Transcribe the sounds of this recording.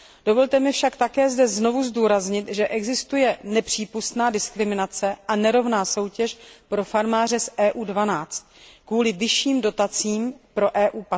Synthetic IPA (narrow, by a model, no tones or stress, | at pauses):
d̥o̞vo̞lt̪ɛmɪfʃakt̪akɛːzdɛzno̞vuzduːɾazɲɪt̪ʒɛʔɛɡzɪst̪ujɛnɛpr̝̥iːpust̪naːdɪskɾɪmɪnat͡sɛʔanɛɾo̞vnaːso̞wcɛʃpɾo̞faɾmaːr̝ɛsʔɛːʔuːdvanaːt͡st̪̚kvuːlɪvɪʃiːmdo̞t̪at͡siːmpɾo̞ʔɛːʔuːpa